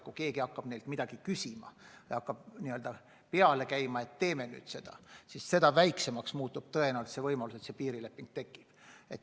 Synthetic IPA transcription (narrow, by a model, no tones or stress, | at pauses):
kuke̞ːɡiɑkːɑb̥ne̞jlt̪mid̪̥ɑɡ̥ikysʲimɑ̰vḛjɑkːɑb̥niø̞ld̪̥ɑ | pe̞ɑle̞kæjmɑe̞t̪ːe̞ːme̞ny̰ːd̪̥se̞d̪̥ɑ̰sisse̞d̪ɑvæjksemɑksmuːt̪ːub̥̚t̪ɤe̞næolt̪sevɤjmɑluse̞t̪sepiːɾile̞pːˑiŋɡ̥̚t̪e̞kːˑi̥b̥e̞t̪ː